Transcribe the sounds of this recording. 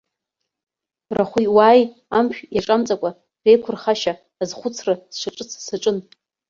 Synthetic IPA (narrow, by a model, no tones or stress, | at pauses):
raχʷiwaːj | amʃᶣjaʈ͡ʂʼamt͡sʼakʷʼa | rejkʷʰʊrχaʃaː | zχʷʊt͡sʰrasʂʷaʈ͡ʂʼɨt͡sʰsaʈ͡ʂʼɨn